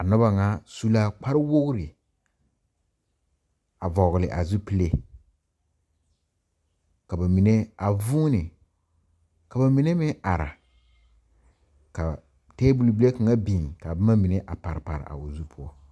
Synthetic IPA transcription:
a˨nɔ˦ba˨ŋa˦su˦la˦k͡pa˦ɾɪ˦wo˦ɣʊ˦ɾɪ˨ | a˨vɔ˨ɣɪ˨lɪ˨ʔa̰˨zu˦pi˦le˦ | ka˨ba˨mi˨ne˦a˨vuː˦nɪ˨ | ka˨ba˨mi˨˦ne˦mɪ˦a˨ɾa̰˨ | ka˨ | te˦bu˨lbi˦le˦kɨ˨ŋa˦biː˨ŋka˨ba˦ma˦mi˨ne˦ʔa˨pa˨ɾɪ˨pa̰˨ɾɪ̰˨ʔa̰˨o˨zu˦pʰʊ˦ɔ˦

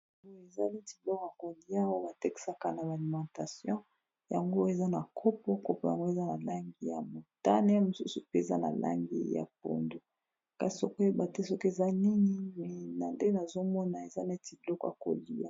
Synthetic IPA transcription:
ɡo˦e˨za˦ni˦ti˨blɔ˦kja˨ko˨li˦a˦wa˦ba˨te˦ki̥˨sa˦ka˦na˨ba˨li˨mã˨ta˨sjɔ̃˦ | ja˨ŋɡo˦e˨za˦na˨kʰo˦po˦ko˦po˨˦ja˨ŋɡo˦e˨za˦na˨la˦ŋɡi˦ja̰˨mo˨ta̰˦ne˦a˦˨mo˨su˦su˨pe˦e˨za̰˦na̰˨lʔa̰˦ŋɡḭ˦ja̰˨p̚o̰˨ndo˨ | ka˨i̥˨o˨ko˦e˦ba˨te˦so˦ke˨za˦ni˦ŋi˦mɛ˨na˨nde˦na˨zo˦mɔ˦na˨e˨za˦ne˦ti˨blɔ˦kja̰˨ko̰˨li˨˦a̰˦

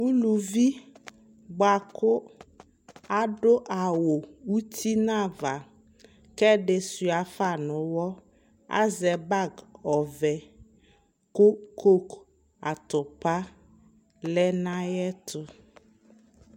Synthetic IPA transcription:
u˦lu˨vi˦ | ɡ͡ba˨kʊ˦ | a˦ɖʊ˦ʔa˨wo˨u˦ti˦nã˦va˨ | kɛ˦ɖɪ˨su˨a˨fa˨nʊ̃˨˦wɔ˦ | a̰˦zɛ˨ba˦ɡɔ˨vɛ˨ | ko˦ko˦k | a˨t̪ʊ˨pa˦ | lɛ˦nã˦jɛ˦t̪ʰʊ˨

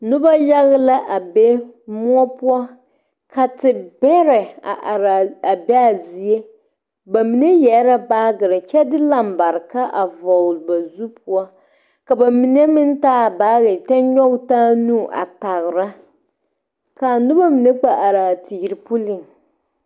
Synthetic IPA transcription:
nʊ˦ba˦ja˦ɣla˦ʔa˨be˦mu˦ɔ˦pu˦a˦ | ka˨tɪ˨bɛ˦ɾɛ˨a̰˨ʔa˨ɾa˨a˨bɛ˦a˨zi˦e˦ | ba˨mi˨nɛ˦jɛ˨˦ɾa˦baː˦ɡɨ˨ɾɨ˨t͡ʃɛ˦dɪ˦la˨mba˨ɾɨ˨ka˦ʔa˨vɔ˨lba˨zu˦pu˦a˦ | ka˨ba˨mi˨nɛ˦mɪ˦n˦taː˦˨ba˦ɣɪ˨tɛ˦nɲɔ˦ɡtaː˦nu˦˨ʔa̰˨ta˨ɣɾa˦ | ka˨nʊ˦ba˦mi˨nɛ˦k͡pa˨ʔa˨ɾaː˨tʰi˨ɾɪ˨pʊ˦lɪ˦˨ŋ

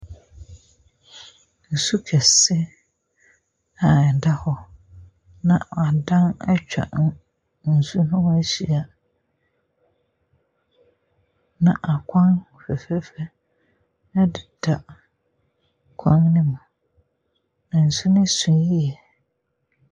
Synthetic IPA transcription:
n̩˨su˦kʰɛ˨sɪ˦ | a˨da˦hɔ˦ | nã˨a˨dã˦na̰˦t͡ɕᶣa̰˨nʊ̃˦ | n̩˨su˦nʊ̃˦æ˦ɕi˨a˨ | nã̰˨ʔa˨kʷʰã˦ŋɔ˨fɛ˨fɛ˦fɛ˦ | a˦dɪ˨dʰa˨ | kʰã˦ŋnɪ̃˦mʊ̃˨ | na˨n̩˨sʊ˦nɪ̃˦sʊ̃˨nji˦ɛ˨

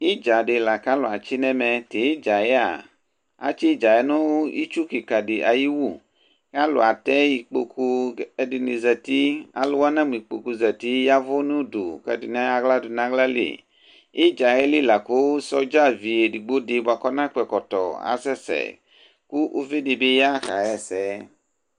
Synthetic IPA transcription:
ji˦d͡ʒa˨ɖe˨la˨ka˦lo˨a˨t͡ʃi˦nɛ̃˦mɛ˨t̪e˨i˦d͡ʒa˨jɛ˦a̰˨ | a̰˨˦t͡ʃi˦d͡ʒa˨ɛ˦nõ˦ḭ˦t͡ʃu˦ki˨ka˨di˨ʔa̰˨ji˦wu˦˨ | ka˦lo̰˨a˨t̪ɛ˦ji˨k͡po̰˨kʰu˦ɛ˦di˨ni˨zɛ˨t̪i˦a̰˦lʊ˦wa˦nã˦m˨i˨k͡po˨ku˨zɛ˨t̪i˦ja˦vo˦nũ˦du˨kɛ˨di˨nã˦a˨ɡla˦du˨nã˦ɡla˦lḛ˨ | e˦d͡ʒa˨jɛ˦li˦la˨ko˦sɔ˦d͡ʒa˦vi˨e˨di˨ɡ͡bo˦de˨ba˨kɔ˦nã˦k͡pɛ˨kɔ˨t̪ɔ̰˨a̰˨sɛ˦sɛ̰˨ | ku˦ʔu˦ve˦de˨be˦ja˦xa̰˨jɛ˦˨sɛ˨˦

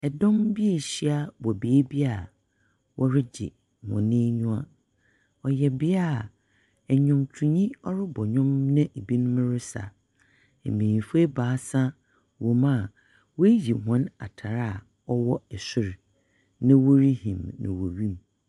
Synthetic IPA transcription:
ɛ˨dɔ̃˦mbi˦e˨ɕi˦a˦bɔ˨be˨˦bi˦a˦˨ | wʔɔ˦ɾɪ˦d͡ʑɪ̰˨ | mɔ̰̃˨nɪ̃˦ɲũ˦ã˦ | ɔ˨jɛ˨bɪ˦a˦˨ | ɛ˨ɲʊ̃˨mtʰu˨ɲĩ˦ɔ˦ɾɪ˦bɔ˨ɲʊ̃˦mnɪ̃˦e˨bi˦nʊ̃˦mɪ̃˦ɾɪ˦sa̰˨ | ḛ˨mĩ˨fe˦baː˨˦sã˦ | wo˨mã˦˨ | wɔ˦e˦ji˨hɔ̃˨na̰˨tʰa˨ɾa˦a˨ | ɔ˦wɔ˦ɛ˨sʊ˦ɾ | nɪ̃˦wo˦ɾi˦hḭ̃˨mnɪ̰̃˨wo˨ɥĩ˦m

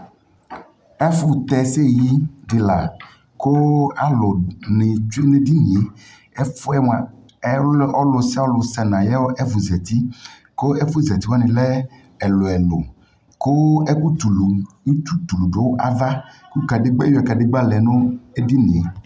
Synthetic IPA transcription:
ɛ˦fu˦t̪ɛ˨se˦˨ji˦ɖɪ˨la˨ | ko˦a˦lɔ˨nɪ˨t͡ʃu˦e˦nẽ˦di˦nĩ˨e˨ | ɛ˦fu˦ɛ˦ma˨ | ɛ˦ʔɔ˦lɔ˨sɛ˦ɔ˦lɔ˨sɛ˨nã˨jɛ˦wo˦ʔɛ˦vu˨zɛ˨t̪i˦ | ko˦ɛ˦fu˦zɛ˨t̪i˦wa˦nĩ˨lɛ˦ | ɛ˨lɔ˨ɛ˨lo˨ | ko˦ɛ˦ku˦t̪u˨lu˨˦ | tu˦t̪u˨lu˨ɖo˨wʔa˨va˦ku˦ka˨ɖɪ˦ɡ͡bɛ˦jo˦ɛ˨ka˨dɪ˦ɡ͡ba˦lɛ˨nõ˦e˦di˦nĩ˨e˨

